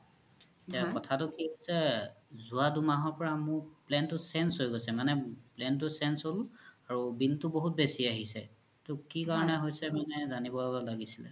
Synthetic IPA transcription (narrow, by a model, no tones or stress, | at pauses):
etiakɔtʰatʊkiɦojsɛzuadumaɦɔɹpɔɹamʊɹplɛntʊsɛnsɦojɡojsɛmanɛplɛnt̬ʊsɛnsolaɹubiltʊboɦut̚besiaɦisɛ̰ | tʊkikaɹɔnɛɦojsɛmanɛzanibɔbɔlaɡisilɛ̰